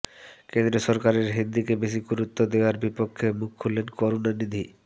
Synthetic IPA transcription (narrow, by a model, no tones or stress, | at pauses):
kend̪ɾoʃɔɾkaɾeɾɦind̪ikebeʃ̬ikuɾut̪ːod̪eoaɾbipokʰːemukʰːulːenkoɾonanid̪ʱi